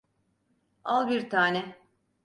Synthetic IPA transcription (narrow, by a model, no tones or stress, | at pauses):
alˠbiɾt̪ʰaːnɛ